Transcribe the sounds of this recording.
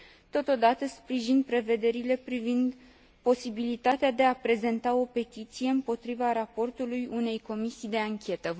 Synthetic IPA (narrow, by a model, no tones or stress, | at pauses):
t̪o̞t̪o̞d̪at̪əspɾiʒinpɾe̞ve̞d̪e̞ɾile̞pɾivind̪ | po̞sibilit̪at̪ead̪e̞apɾe̞ze̞nt̪ao̞pe̞t̪it̪sije̞ɨmpo̞t̪ɾivaɾapo̞rt̪ulujune̞jko̞misijd̪e̞aŋkʲe̞t̪ə